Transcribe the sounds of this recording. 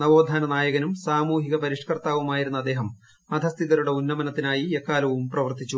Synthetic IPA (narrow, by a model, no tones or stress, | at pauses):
nɐʋo̞ːd̪ʱaːnɐnaːjɐɣɐnumsaːmuːɦiɣɐpɐɾiʂɐkɐrt̪aːʋumaːjiɾunːuɐd̪ːe̞ːɦɐm | ɐd̪ʱɐst̪ʰiðɐɾuɽe̞unːɐmɐnɐt̪ːinaːjiekːaːlɐʋumprɐʋɐrt̪it͡ɕːu